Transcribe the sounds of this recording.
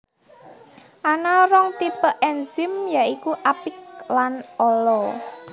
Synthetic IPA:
ʔanaɾɔŋt̪ipəʔɛnzɪmjaikuʔapɪk̚lanɔlɔ

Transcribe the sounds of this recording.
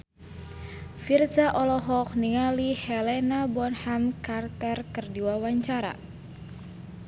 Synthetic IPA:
firsaʔɔlɔɦɔk̚niŋalihɛlɛnabɔnhamkart̪ərkərdiwawaɲt͡ʃaɾa̰

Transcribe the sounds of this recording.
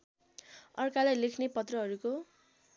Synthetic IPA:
ʌrkalajlekʰnepʌt̪rʌɦʌɾuko

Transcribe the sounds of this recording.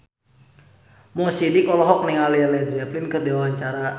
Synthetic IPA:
musidikɔlɔɦɔk̚niŋalialɛd͡ʒɛplɪnkərdiwaɲt͡ʃaɾa

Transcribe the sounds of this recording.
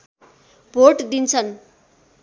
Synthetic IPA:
bʱoʈd̪int͡sʰʌn

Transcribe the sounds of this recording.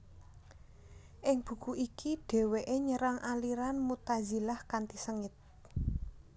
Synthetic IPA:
ʔɪŋb̥ṳkuʔikiɖ̥e̤weʔeɲəɾaŋʔaliɾanmut̪azi̤lahkant̪isəŋɪt̪̚

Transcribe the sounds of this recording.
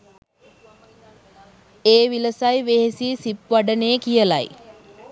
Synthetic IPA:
eːʋiləsajʋeɦesiːsipʋaɖəneːkijəlaj

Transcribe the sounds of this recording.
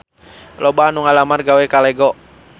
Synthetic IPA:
lɔbanuŋalamarɡawɛkalɛɡɔ

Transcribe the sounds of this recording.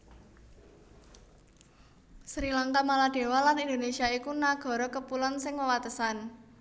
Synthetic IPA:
sɾilaŋkamalad̥e̤walanind̪onesiaikunaɡ̥ɔ̤ɾɔkəpulansɪŋwəwat̪əsan

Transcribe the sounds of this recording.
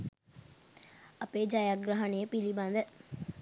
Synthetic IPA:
ɐpeːd͡ʒajaɡɾaɦɐnejəpiliband̪ə

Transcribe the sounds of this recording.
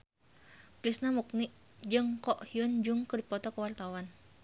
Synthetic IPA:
kɾisnamuk̚niʔ | d͡ʒɨŋkɔʔhiund͡ʒʊŋkədipɔt̪ɔkəwart̪awan

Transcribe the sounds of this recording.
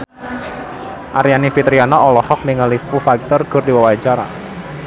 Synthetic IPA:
ʔaɾjanifit̪ɾianɔɔlɔhɔk̚niŋəlifufak̚t̪ɔrɡ̥ʊrdiwawaat͡ʃaɾa̰

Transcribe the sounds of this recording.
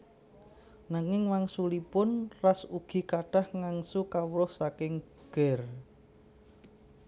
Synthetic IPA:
naŋɪŋwaŋsulipʊnrasuɡ̥i̤kaɖ̥a̤hŋaŋsukawɾʊhsakɪŋ | ɡ̥ɛr

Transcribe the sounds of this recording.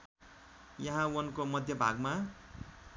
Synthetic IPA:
jʌɦãwʌnkomʌd̪ʱjʌbʱa̰ɡma

